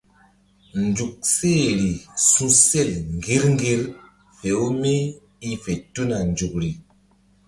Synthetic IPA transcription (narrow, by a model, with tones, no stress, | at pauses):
n˨d͡ʒu˨k̚seː˦˨ɾi˨sũ˦se˦˨lŋ˨ɡi˨˦ɾŋ˦ɡi˦ɾ | fe˨o˦me˦ | i˦fe˨tu˦na˨n˨d͡ʒu˨k̚ɾi˨